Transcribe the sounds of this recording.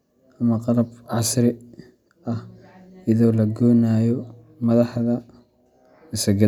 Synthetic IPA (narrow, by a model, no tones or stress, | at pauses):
ʔɐmɐqɑlɐbʕɑsɾɪ | ʔɐh | ɪðɔːlɐɡɔːnaːjɔ | mɐðɑħðɐ | ɪsɐɡɐ